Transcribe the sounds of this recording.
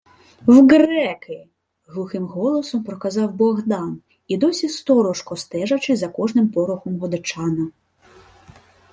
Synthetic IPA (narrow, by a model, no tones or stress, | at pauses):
wɡɾɛkɪ | ɣlˠuxɪmɣɔlˠɔsɔmpɾɔkazɑwbɔɣd̪ɑn | id̪ɔsʲist̪ɔɾɔʂkɔst̪ɛʐɐt͡ʃɪzɐkɔʐnɪmpɔɾʊxɔmɦɔd̪ɪt͡ʂɑnɐ